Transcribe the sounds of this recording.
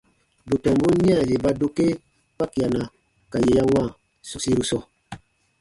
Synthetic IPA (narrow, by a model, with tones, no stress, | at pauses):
bu˨tɔ˨mbo˦ni˦a˦˨je˨ba˦do˦ke˦ | pa˦ka˨na˨ | ka˨je˨ja˦wa˦˨ | sɔ˨si˦ɾu˦sɔ˦˨